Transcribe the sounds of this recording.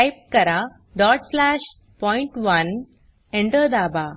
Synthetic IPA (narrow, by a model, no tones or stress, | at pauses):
ajp̚kɐɾa | ɖɔːʈslæːʂ | pɔiɳʈʋɐn | eɳʈəd̪aːba